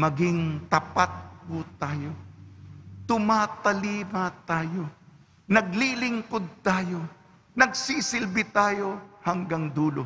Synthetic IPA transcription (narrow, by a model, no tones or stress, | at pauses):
mɐɡɪŋt̪ɐpat̪̚kʊt̪aːjo | t̪ʊmaːt̪ɐliːmat̪aːjo̞ | nɐɡ̚lilɪŋkod̪̚t̪aːjo̞ | nɐɡ̚sisɪlbɪt̪aːjo̞hɐŋɡaŋd̪uːlo